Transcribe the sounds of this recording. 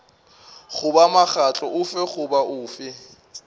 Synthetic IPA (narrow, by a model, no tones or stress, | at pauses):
χʊbamaχat͡ɬʼɔʔʊfɛχʊbaʔʊːfɪ